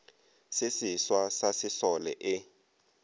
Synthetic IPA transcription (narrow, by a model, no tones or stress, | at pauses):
sɪsiswasasɪsɔlɛ̰ʔɪ